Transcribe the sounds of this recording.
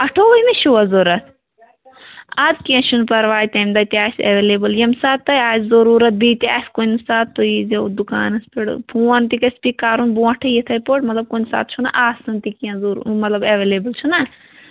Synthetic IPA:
ɐʈʰoʋɐimeʃuʋɐzoɾɐt̪ʰ | ɐd̪kiãʃʰunpɐɾʋaːjt̪ɐjmd̪ɐt̪iaːsḛʋeːleːbɐljɐmsaːt̪ːɐjaːzzɐɾuːɾɐt̪̚biːt̪iaːskonsaːt̪ːojizɐd̪ukaːnɐspiɽ̰pʰuɐnt̪ikɐspikaːɾunbuɐ̃ʈʰɐjit̪ʰɐjpoʈmɐt̪lɐb̚kunsa̰ːt̪̚t͡ʃʰunɐ̰ʔaːsɐnt̪ikiãzuɾmɐt̪lɐbɐʋeːleːbɐlt͡ʃʰunɐ

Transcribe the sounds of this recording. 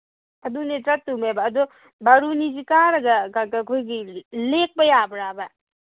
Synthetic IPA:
ɐdunetɾɐtːumebɐːdɔ | bɐɾunizikaɾɐɡɐkakakʰojɡilek̚bɐjabɐɾabɐ

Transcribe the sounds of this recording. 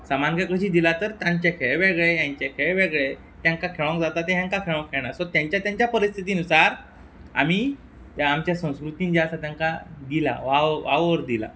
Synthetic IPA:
samankakəɕiːd̪ilat̪əɾt̪jãɲt͡ɕjakʰeɭeʋeɡɭejaɲt͡ɕekʰeɭeʋeɡɭe | t̪jãŋkakʰeɭə̃ŋkd͡zat̪at̪eɦjãŋkakʰeɭə̃ŋkʰːeɭɳasɔt̪jãɲt͡ɕjat̪jaɲt͡ɕjapəɾist̪ʰit̪iːnusaɾ | a̰miː | amt͡ɕjasə̃w̃skɾut̪iːnd͡ʑaəsat̪jãŋkad̪ila̰ʋaʋaʋʋəɾd̪ila̰

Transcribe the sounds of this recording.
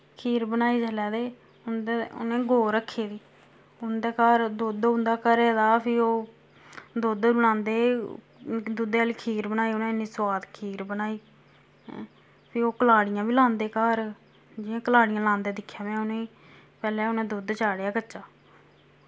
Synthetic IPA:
kʰiːɾbənaːiːd͡ʒəlɛːd̪eː | ʊnd̪eʊ̰nẽːɡoːɾəkʰːeːd̪iː | ʊnd̪eːkaːɾd̪oːd̪ʊ̃nd̪aːkəɾeːd̪aːpʰɪoː | d̪oːd̪bənãːnd̪eː | d̪uːd̪eːəliːkʰiːɾbənaːiːʊnẽːniːswaːt̪kʰiːɾbənaːiː | pʰɪoːkəlaːɽɪjãːbiːlãːnd̪eːkaːɾ | d͡ʒɪãːkəlaːɽɪjãːlãːnd̪eːd̪ɪkʰːjaːmɛ̃ːʊnẽː | pɛːlɛːʊnẽːd̪uːd̪t͡ʃaːɽejaːkəːt͡ʃaː

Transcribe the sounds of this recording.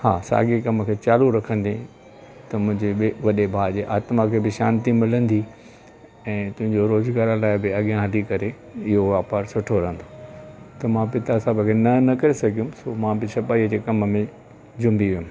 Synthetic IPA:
ha̰ːsa̰ːɡekɐməkʰeːt͡ɕaːluɾɐkʰə̃nd̪ĩ | t̪ɐmʊ̃ɦɪ̃ɲd͡ʑeʋɐɗebʱaːd͡ʑeʔaːt̪makʰeːbɪʃaːnt̪imɪlə̃nd̪i | ɛ̃ːt̪ʊ̃ɦɪ̃ɲd͡ʑoɾoːzɡaːɾlaːɪbɪɐɠijãɦɐlikɐɾe | ɪɦoʋaːpaːɾsʊʈʰoɾɐɦə̃nd̪oːt̪ɐmãpɪt̪asaːbəkʰenɐnɐkɐɾesɐɡʱijũmsoːmãbɪsɐpaːiəd͡ʑeːkɐməmẽ | d͡ʑʊ̃mbiʋijʊ̃m

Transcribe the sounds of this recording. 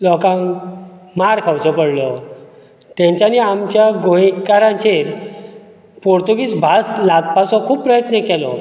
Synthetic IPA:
lɔkãŋ | maɾkʰawt͡sɔpəɽlɔ | t̪ãɲt͡ɕjaniamt͡ɕjaɡoikaɾãɲt͡ɕeɾ | poɾt̪uɡiːt͡sbʱaslat̪̚pasɔ̃kʰuːbpːɾəjət̪nəkɛlɔ̰

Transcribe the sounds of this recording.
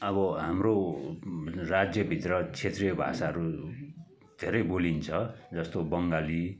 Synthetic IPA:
ʌβʌɦamro | rad͡zjʌbʱit̪rʌt͡sʰet̪riʌbʱa̰saɦʌɾu | d̪ʱeɾʌjbolint͡sʰʌd͡zʌst̪obʌŋɡali

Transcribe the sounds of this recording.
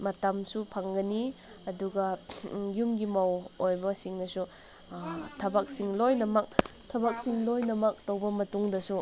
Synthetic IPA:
mɐtamsupʰaŋɡɐni | ɐduɡɐjumɡimawojbɐsiŋnɐsu | tʰɐbak̚siŋlojnɐmɐk̚ | tʰɐbak̚siŋlojnɐmɐk̚towbɐmɐtuŋdɐsu

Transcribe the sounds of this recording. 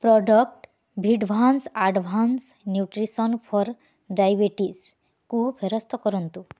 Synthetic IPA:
pɾɔɖɔk̚ʈ | bʱiɖbʱansaɖbʱans | njuʈɾisɔnpʰɔɾ | ɖajbeʈis | kubʰʱeɾɔst̪ʰɔkɔɾɔnt̪u

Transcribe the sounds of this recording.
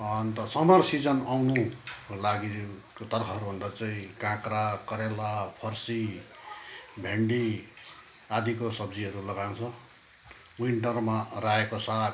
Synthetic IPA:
ʌnt̪ʌsʌmʌrsid͡zʌnawnulaɡi | kot̪ʌrkʰʌɦʌɾubʱʌnd̪at͡saĩkãkrakʌɾelapʰʌrsi | bʱeɳɖi | ad̪ʱikosʌbd͡ziɦʌɾulʌɡawnt͡sʰʌ | wiɳʈʌrmaraekosa

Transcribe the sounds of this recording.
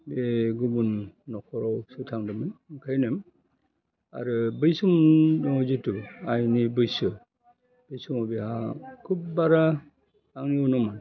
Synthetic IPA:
beɡubunːɔkʰɔɾawsutʰaŋdɯmɯnkʰajnɯm | a̰ɾɯbɯjsumdɔŋɔzɯtuajnibɯjsɯ | b̥ɯjsumɔbehakʰub̚baɾa | aŋniɔnɔman

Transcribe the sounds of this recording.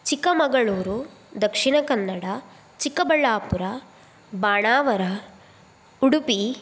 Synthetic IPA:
t͡ʃikːɐmɐɡɐɭuːɾud̪ɐkʂiɳɐkɐnːɐɽɐ | t͡ʃikːɐbɐɭːaːpuɾɐ | baːɳaːʋɐɾɐ | uɽupi

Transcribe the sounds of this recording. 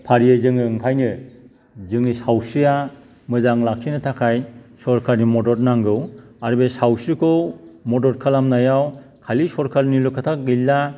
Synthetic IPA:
pʰaɾijajzɯŋnɯɯŋkʰajnɯ | zɯŋnisawsɯja | mɯzaŋlak̚sinɯtʰakʰajsɔɾkʰaɾnimɔdɔɾnaŋɡɯw | aɾɯbesawsɯkʰowmɔdɔɾkʰalamnajaw | kʰalisɔɾkʰalnilukʰatʰaɡɯlːa

